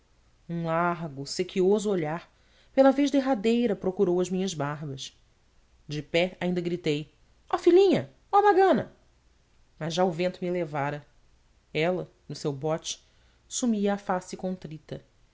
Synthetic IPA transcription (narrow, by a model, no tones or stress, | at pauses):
ũlaɦɡʊsekʰiozʊoʎaɾ | pelɐvejʒd̪eɦad̪ejɾɐpɾokuɾowɐzmĩɲɐzbaɦbɐs | d͡ʒɪpɛaĩnd̪ɐɡɾit̪ej | ɔfilĩɲɐ | ɔmaɡɐ̃nɐ | mɐzʒaʊvẽnt̪ʊmɪelevaɾɐ | ɛlɐ | nʊsewbɔt͡ʃɪ̥ | sumiɐːfasɪkõnt̪ɾit̪ɐ